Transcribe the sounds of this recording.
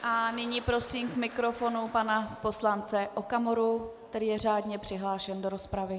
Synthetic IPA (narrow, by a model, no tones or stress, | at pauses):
ʔanɪɲipɾo̞siːmkmɪkɾo̞fo̞nupanapo̞slant͡sɛʔokamoɾukt̪ɛɾiːjɛr̝aːdɲɛpr̝̥ɪɦlaːʃɛndoɾospɾavɪ